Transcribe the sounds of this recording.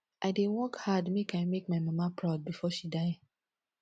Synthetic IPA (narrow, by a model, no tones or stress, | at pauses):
ʔaɪdewɔkhadmekaɪmek̚maɪmamapɹaʊd̚bifɔʃidaɪ